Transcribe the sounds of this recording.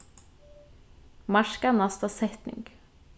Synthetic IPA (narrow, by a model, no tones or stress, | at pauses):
mɑʃkanɑst̪ɑsɛt̪nɪ̰ŋɡ̥